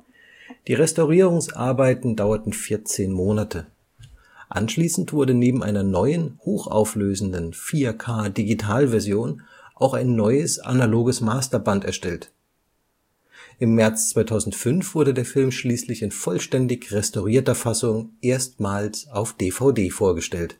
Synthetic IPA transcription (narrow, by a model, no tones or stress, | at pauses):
d̥iːʁɛstaʊʁiːʁʊŋsʔa̰ɐbaɪtn̩daʊɐtn̩fɪɐt͡seːnmoːnatʰə | ʔa̰nʃliːsn̩tv̥ʊɐdəneːbm̩ʔa̰ɪnɐnɔʏənhoːxʔa̰ʊfløːzn̩dənfiːɐkʰaːdiɡitʰaːlvɛɐzjoːn | ʔaʊxaɪnːɔʏəsʔa̰naloːɡəsmaːstɐbantɛ̰ɐʃtɛlt | ʔɪmːɛɐt͡st͡sv̥aɪtʰaʊzn̩tfʏnfv̥ʊɐdədeːɐfɪlmʃliːslɪçɪnfɔlʃtɛndɪçʁɛstaʊʁ̞iːɐtɐfasʊŋʔeːɐstmaːlsaʊfd̥eːfaʊdeːfoːɐɡəʃtɛlt